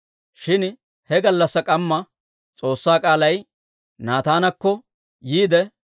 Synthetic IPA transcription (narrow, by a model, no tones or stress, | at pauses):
ʃɪn | hɛɡɐlːɐsːɐkʼɐmːɐ | t͡sʼo̞ːsːaːkʼaːlɐj | naːt̪aːnɐkːɔ | jiːd̪ɛ